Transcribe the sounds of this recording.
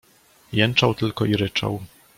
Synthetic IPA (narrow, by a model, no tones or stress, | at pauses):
jɛnt͡ʂawt̪ɘlkɔiɾɘt͡ʂa̰w